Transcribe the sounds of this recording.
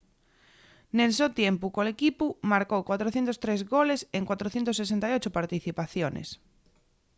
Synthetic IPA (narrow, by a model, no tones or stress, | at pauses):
nelsewt̪jempukolekipumaɾkowkwat̪ɾoθjent̪ost̪ɾezɣoleseŋkwat̪ɾoθjent̪osːes̬ent̪ajot͡ʃopaɾt̪iθipaθjonḛs